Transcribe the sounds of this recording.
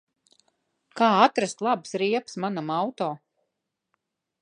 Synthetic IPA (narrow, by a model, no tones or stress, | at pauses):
kaːat̪ɾast̪lˠabsɾiɛpsmanamawt̪ɔː